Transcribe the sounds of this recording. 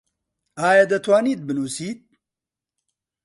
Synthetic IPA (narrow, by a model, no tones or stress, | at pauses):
aːjɐd̪ɐt̪ʰwaːniːt̪̚bɨnuːsiːt̪̚